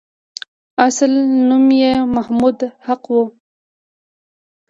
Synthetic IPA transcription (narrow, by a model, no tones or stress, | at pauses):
aslnumjemahmud̪haqwu